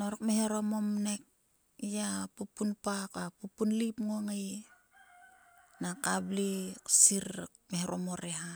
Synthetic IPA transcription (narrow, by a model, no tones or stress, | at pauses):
noɾokmeheɾo̞mo̞mne̞k̚ | japupːunpakapupːunlipŋo̞ŋej | nakabliksiɾ | meheɾʔomo̞ɾeɦa